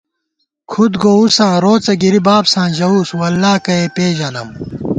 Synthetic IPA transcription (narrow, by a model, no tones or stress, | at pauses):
kʰud̪ɡousãːɾoːt͡sɐɡiɾibaːbsãːʑɐuːswɐlːaːkɐeːpeːʑɐlɐm